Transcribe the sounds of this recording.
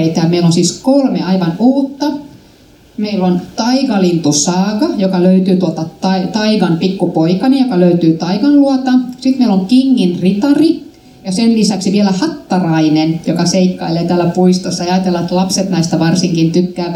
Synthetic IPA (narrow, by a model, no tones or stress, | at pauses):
eit̪æjɑmeilonsiːskolmeɑiʋɑnuhut̪ːɑ | meilont̪ɑikɑlint̪usɑːkɑjokɑløyt̪yːt̪uot̪ɑt̪ɑt̪ɑiʋɑnpikːupoikɑnijokɑløyt̪yːt̪ɑiʋɑnluɑt̪ɑsit̪meiloŋkiŋːinrit̪ɑri | jɑsellisæksiʋielæhɑt̪ːɑrɑinenjokɑseikːɑilːeit̪æːlːæpuist̪osːɑjeɑːɑt̪elːɑet̪lɑpset̪næist̪æʋɑrsiŋkint̪yt̪ːæː